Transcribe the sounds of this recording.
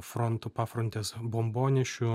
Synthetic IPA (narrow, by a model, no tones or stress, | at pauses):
fɾɔnt̪ʊpɑfɾɔnt̪ʲeːsbɔmboːnʲɛʃʲu